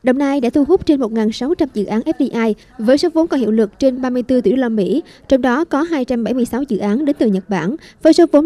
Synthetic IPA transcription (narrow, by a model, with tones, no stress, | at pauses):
ɗə˨˩wŋ͡mnaː˧jɗa̰ː˧˥t̪ʰu˧ɦʊ˦˥k͡p̚t͡ɕe˧nmo˨˩t̚ŋaː˨˩nsa˨˦wt͡ɕa˧mzɨ̰˧˨ʔaː˨˦nʔɛ˦˥p̚ɗi˧ʔaː˧j | vəː˨˦jso˨˦vo˨˦nkɔ˨˩nhḭ˧˨əwlɨ˨˩k̚t͡ɕe˧nɓaː˧mɨ˧əjt̪ɨ˧t̪ṵ˧˩˨wlaː˧mḭ˧˥˨t͡ɕɔ˧wŋ͡mɗɔ˨˦kɔ˨˦ɦaː˧jt͡ɕa˧mɓa˧˩jmɨ˧əjsa˨˦wzɨ̰˧˨ʔaː˨˦nɗe˨˦nt̪ɨ˨˩ɲə˨˩t̚ɓaː˧˩nvəː˨˦jso˨˦vo˨˦